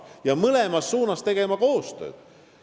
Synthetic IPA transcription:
jɑmɤlemɑsːuːnɑst̪e̞ɡ̥e̞mɑko̞ːst̪ø̞̰ːd̪̥

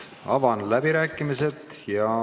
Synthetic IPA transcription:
ɑ̰vɑnlæbiɾæːkːˑimise̞t̪ | jɑ

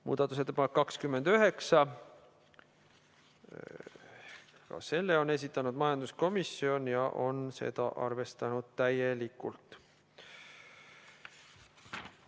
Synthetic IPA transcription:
mṵːd̪̥ɑt̪ːˑus̬e̞t̪ːˑe̥pɑnekːɑkskymːe̞nd̪yɦe̞ksɑ | kɑ̰se̞lːe̞o̞ne̞s̬ʲit̪ːˑɑnud̪mɑjɑnd̪usko̞misio̞njɑʔo̞nse̞̰d̪̥ɑʔɑ̰rve̞st̪ɑnud̪̥̚t̪æjelikːˑult̪ˑ

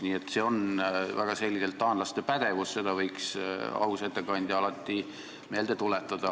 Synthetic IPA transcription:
niːet̪ːˑse̞o̞nvæɡ̥ɑse̞lʲːɡit̪elt̪ːɑːnlɑst̪e̞pæd̪̥e̞vusse̞d̪ɑvɤjksɑ̰uset̪ːˑekɑnʲd̪jɑɑlɑt̪ˑːi | me̞ld̪et̪ulet̪ːˑɑd̪̥ɑ

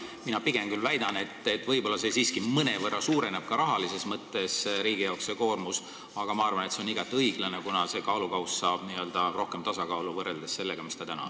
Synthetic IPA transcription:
minɑpiɡ̥e̞mkylvæjd̪̥ɑne̞t̪ːˑe̞t̪ːˑvɤjbo̞lːɑse̞siːskimɤne̞vɤrːɑsuːɾe̞neb̥̚kɑɾɑɦɑlise̞smɤt̪ːe̞sɾiːɡ̥ijɑokseko̞ːrmus | ɑɡ̥ɑmɑɑrvɑne̞t̪seoniɡ̥ɑt̪ːˑiɤjɡ̥lɑne̞kunɑse̞kɑːlukɑwssɑːb̥niøld̪̥ɑro̞hke̞mt̪ɑsɑkɑːluvɤreld̪esse̞lːeɡ̥ɑmist̪ɑt̪ænɑ̰

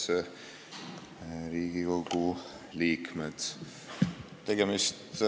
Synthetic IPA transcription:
ɾiːɡikoku | liːkmɛt̪ | t̪eɡɛmist̪

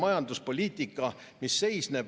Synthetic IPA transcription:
mɑjɑnd̪uspo̞lʲiːt̪ːˑikːˑɑ | misːe̞jsne̞b

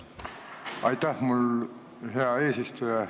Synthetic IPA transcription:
ɑ̰jt̪ːæhmul | ɦeɑe̞ːsist̪ujɑ

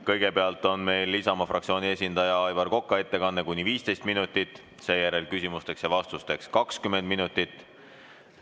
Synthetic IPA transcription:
kɤ̞jɡ̥e̞peɑlt̪ːˑo̞nme̞jlːisɑmɑfrʔɑ̰k̚t̪sio̞ːnʲiesʲind̪̥ɑjɑɑjvɑrko̞kːˑɑe̞t̪ːe̞kɑnːekunʲːiviːst̪e̞jst̪̚minut̪ːˑit̪ːˑ | se̞ːjæɾe̞lkysimust̪e̞ksjɑvɑst̪ust̪e̞kskɑkskymend̪̥minut̪ːˑit̪ːˑ

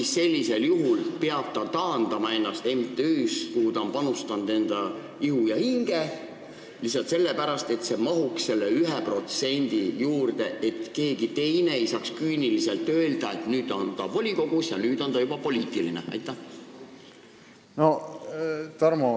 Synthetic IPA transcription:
isse̞lʲːise̞ljuɦulpeɑb̥̚t̪ɑt̪ɑːnd̪̥ɑmɑe̞nːɑst̪e̞mt̪ˑeyːskuhud̪ɑonpɑnust̪ɑnd̪̥e̞nd̪̥ɑ | ihujɑhiŋɡ̥e̞ | lisɑlt̪se̞lːepæɾɑst̪e̞t̪se̞mɑɦuksse̞lːeyɦɛpro̞t̪se̞nʲd̪ijuːrd̪̥e̞ʔe̞t̪ke̞ːɡ̥it̪e̞jne̞ejsɑːkskyːnilise̞lt̪ːˑø̞ːld̪̥ɑe̞t̪nyːd̪ˑont̪ɑvo̞lʲiko̞ɡ̥usjɑnyːd̪̥o̞nt̪ɑjubɑpo̞lʲiːt̪ilinḛʔɑ̰jt̪ːˑæh | no | t̪ɑrmo

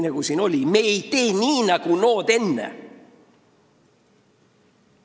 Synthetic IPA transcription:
neɡ̥usino̞lʲimeejt̪eːniːnɑɡ̥unoːt̪enːḛ

